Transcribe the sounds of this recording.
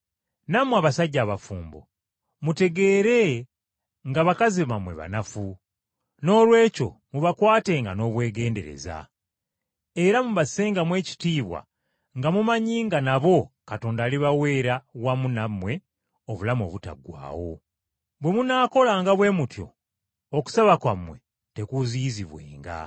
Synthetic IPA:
namwaβasaɟːaːβafuːmbo̞̰ | mute̞ɡe̞ːɾe̞ | ŋɡaβakaziβamwe̞̰βa̰nafu | no̞ːlwe̞ːco̞̰muβakwaːte̞ŋɡano̞ːβwe̞ːɡe̞ːnde̞̰ɾe̞̰za̰ | eɾamuβaseːŋɡamwe̞ːci̥tiːβwa̰ | ŋɡamumaɲiːŋɡanaβo̞kato̞ːndaːliβawe̞ːɾawamunamwe̞ | oβulamo̞̰ːβuta̰ɡwa̰ːwo̞̰ | βwe̞munaːko̞laŋɡaβwe̞ːmutjo̞̰ | oku̥saβakwamwe̞̰ | te̞kuziziβwḛːŋɡa̰

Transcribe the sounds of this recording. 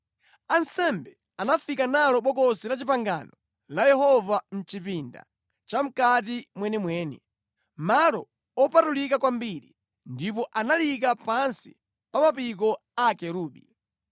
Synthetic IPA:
ansɛmbɛ | anafikanalɔɓɔkɔsilat͡ʃipaŋɡa̰nɔ | lajɛhɔvam̩t͡ʃipinda̰ | t͡ʃam̩kat̬imwɛnɛmwɛːnɛ | malɔ | ɔpatulikakwambiɾḭ | ndip̬ɔʔanalikapansi̥̰ | pamapik̬ɔ | akɛɾuːɗi

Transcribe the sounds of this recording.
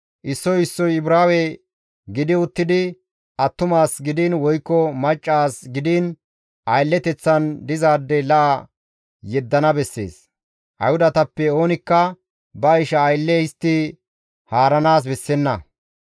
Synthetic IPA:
ʔɪsːɔjɪsːɔjɪbɾaːwɛ | ɡɪd̪ɪʊt̪ːɪd̪ɪ | ʔɐt̪ːʊmaːsɡɪd̪ɪnwɔjkːɔmɐt͡ʃʼːaːsɡɪd̪ɪn | ʔɐjlːɛt̪ɛt͡sːɐnd̪ɪzaːd̪ːɛlɐʔɐ | jɛd̪ːɐnɐbɛsːe̞̰ːs | ʔɐ̰jʊd̪ɐt̪ɐpːɛo̞ːnɪkːɐ | bɐɪʃɐːjlːɛɪst̪ːɪ | haːɾɐnaːs̬bɛsːɛnːɐ

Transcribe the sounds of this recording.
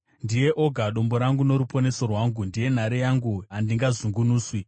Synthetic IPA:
ndije̞ʔo̞ɡʱaɗo̞mbo̞ɾaŋɡuno̞ɾupo̞ne̞so̞rwaːŋɡundije̞n̤aɾejaŋɡuandiŋɡazuŋɡunuːswi

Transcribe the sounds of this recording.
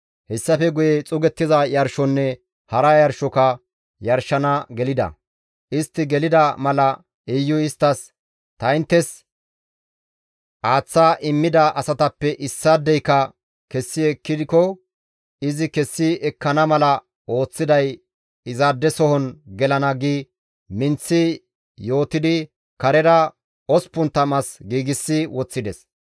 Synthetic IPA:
hɛsːɐfɛɡʊjɛt͡sʼʊɡɛt̪ːɪzɐjɐɾʃɔnːɛ | hɐɾɐjɐɾʃɔkɐ | jɐɾʃɐnɐɡɛlɪd̪ɐ̰ | ʔɪst̪ːɪɡɛlɪd̪ɐmɐlɐ | ɛjːʊɪst̪ːɐs | t̪ɐɪnt̪ːɛs | ʔaːt͡sːaːʔɪmːɪd̪ɐʔɐsɐt̪ɐpːɛʔɪsːad̪ːɛjkːɐ | kɛsːɪɛkːɪd̪ɪkɔ | ɪzɪkɛsːɪɛkːɐnɐmɐlɐ | ʔo̞ːt͡sːɪd̪ɐj | ɪzad̪ːɛsɔhɔnɡɛlɐnɐɡiː | mɪnt͡sːɪ | jo̞ːt̪ɪd̪ɪ | kɐɾɛɾɐ | ɔspʊnt̪ːɐmɐsɡiːɡɪsːɪwɔt͡sːɪd̪ɛs

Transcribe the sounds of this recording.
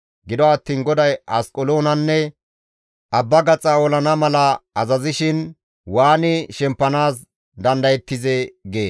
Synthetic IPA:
ɡɪd̪ɔɐt̪ːiːnɡɔd̪ɐjɐskʼɔloːnɐnːɛ | ʔɐbːɐɡɐt͡sʼːɐɔlɐnɐmɐlɐɐzɐzɪʃɪn | waːnɪʃɛmpːɐnaːs | d̪ɐnd̪ɐjɛt̪ːɪzɛɡeː

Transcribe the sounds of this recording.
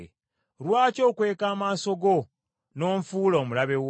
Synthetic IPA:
ɾwaːco̞ːkwe̞ːkaːmaːso̞ɡo̞ | no̞ːɱfuːloːmulaβe̞w

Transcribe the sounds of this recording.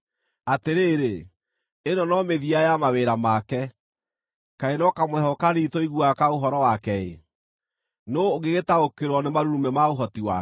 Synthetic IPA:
ateɾeːɾe | enɔnɔmeðiajamaweɾamakɛ | kaenɔkamɛhɔkanitɔiɣuakaoɦɔɾɔwakɛḛ | noːɣeɣetaokeɾwɔnemaɾuɾumɛmaoɦɔtiwa̰

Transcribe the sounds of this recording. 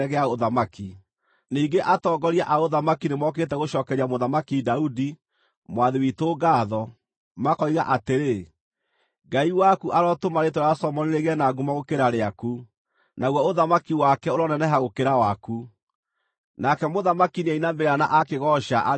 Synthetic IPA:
ɛɣɛaoðamaki | niːɡeʔatɔːɡɔɾiaʔaoðamakinemwɔk̬etɛɣoʃɔːkɛɾiamoðamakidaudi | mwaðewitoɡaːðɔ | makɔiɣa̰ʔateɾe | ɡaiwakuʔaɾɔtomaɾetoɾaasɔmɔneɾeɣɛnaɡumaɣokeɾaɾeaku | naɣwɔoðamakiwakɛoɾɔnɛnɛɦaɣokeɾawaku | nakɛmoðamakinɛinambeɾeana̰ʔakeɣɔʃaʔa

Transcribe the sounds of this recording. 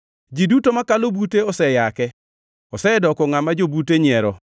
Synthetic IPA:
d͡ʒidutomakalobuteɔsɛjakɛ | ɔsɛdɔkɔŋamad͡ʒobuteɲɪɛɾɔ

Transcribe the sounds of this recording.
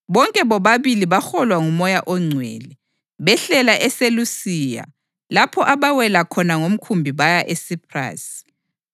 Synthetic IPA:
βɔŋkʼɛβɔβaβiliβaxɔlwaŋumɔjaʔɔŋ͡ǀʱwɛ̰ːlɛ | βɛɬɛlaʔɛselusiːja̰ | lapʰɔʔaβawɛlakʰɔnaŋom̩kʰumbʱiβajaʔesipʰra̰ːsi̥

